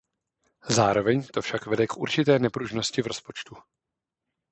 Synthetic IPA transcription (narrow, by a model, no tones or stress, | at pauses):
zaːɾo̞vɛɲt̪ofʃakvɛdɛkʔuɾt͡ʃɪt̪ɛːnɛpɾuʒno̞scɪvɾo̞spo̞t͡ʃt̪u